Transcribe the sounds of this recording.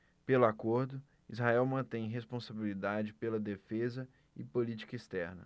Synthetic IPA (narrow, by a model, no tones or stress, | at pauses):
pelʊakoɾd̪ʊ | izɦaɛwmɐ̃t̪ẽj̃ɦespõsabilid̪ad͡ʒɪpelɐd̪efezɐ | ɪpolit͡ʃi̥kɐist̪ɛɾnɐ̰